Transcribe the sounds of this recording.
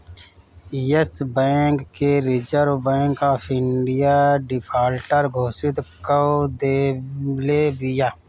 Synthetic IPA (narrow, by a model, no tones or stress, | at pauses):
jəsbɛːkːeɾɪt͡ʃəɾbɛ̃ːŋkaːpʰɪɳɖɪjaːɖɪpʰaːlʈəɾɡʱoːsɪt̪kəd̪eleːbɪjaː